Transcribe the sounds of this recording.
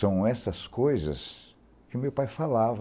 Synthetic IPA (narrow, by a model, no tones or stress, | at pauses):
ɐ̃w̃ɛsɐskojzɐ̰s | kɪʊmewpajfalav